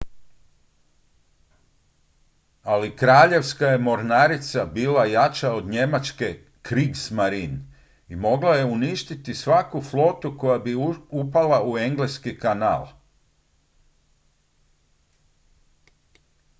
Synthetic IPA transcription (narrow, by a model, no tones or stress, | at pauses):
alikɾaːʎe̞ʋskaje̞mo̞ɾnaɾit̪sabiːlajat͡ʃao̞d̪ɲe̞mat͡ʃke̞ | kɾiːɡsmaɾin | imo̞ɡlaje̞uniʃt̪it̪isʋakuflo̞t̪uko̞jabiupalaue̞ŋɡleskikana̰ːlˠ